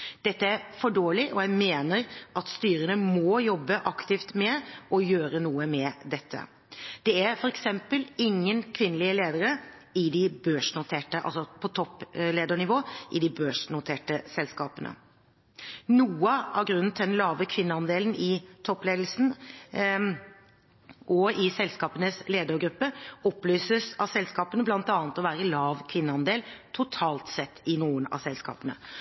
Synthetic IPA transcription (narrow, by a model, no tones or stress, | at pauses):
d̪̥ɛt̪ːəæɾfɔɖoːɭɪʔɔjæɪmeːnəɾʔɑt̪st̪yːɾənəmɔːjɔbːəʔɑkt̪ɪft̪mɛʔɔjøːɾənuːəmɛd̪ɛt̪ʰːə̰ | d̪̥ɛæɾfɔɾɛksɛmpəlɪŋːənkʰʋɪnːəlɪəleːd̪əɾə | ɪd̪ɪbøːʂnʊt̪ʰeːʈəʔɑ̰lsɔpʰɔt̪ʰɔpːleːd̪əɳɪʋoːʔɪd̪ɪbøːʂnʊt̪ʰeːʈəsɛlskɑːpənə̰ | nuːəɑʋɡɾʉnːnt̪ʰɪd̪ɛnlɑːʋəkʰʋɪnːəɑnd̪eːlnɪt̪ʰɔpːleːd̪l̩sn̩ | ʔɔɪsɛlskɑːpənəsleːd̪əɾɡɾʉpːəɔplyːsəsɑsɛlskɑːpənəblɑnt̪ɑːnət̪ɔʋæːɾəlɑːʋkʰʋɪnːəɑnd̪eːlt̪ʰʊt̪ʰɑːlt̪sɛt̪ʰːɪnuːənɑ̰sɛlskɑ̰ːpənə̰